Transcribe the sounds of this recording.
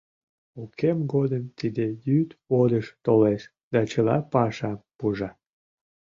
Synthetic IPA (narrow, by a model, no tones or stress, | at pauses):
okʰemɡod̪əmt̪id̪ejyt̪od̪əʃt̪oleʃ | d̪ɑt͡ɕəlɑpɑʃɑpuʒɑ